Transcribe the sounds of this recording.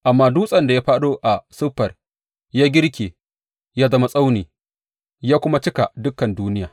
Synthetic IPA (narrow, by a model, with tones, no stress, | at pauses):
ʔa˨mːaː˦duː˦sʼɐ˨nda˨jaː˦ɸaː˦ɗoː˦ʔa˨sʊ˦ɸːɐ˨r | jaː˦ɡʲɪ˦ɽkʲeː˨ | jaː˦zɐ˦ma˨sʼa˦wniː˨ | jaː˦kʷʊ˦ma˦t͡ʃɪ˦ka˨dʊ˦kːɐ˨nduː˦nɪ˦jaː˨